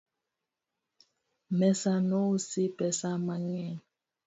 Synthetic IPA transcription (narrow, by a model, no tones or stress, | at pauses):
mɛsanɔusipɛsamaŋɛ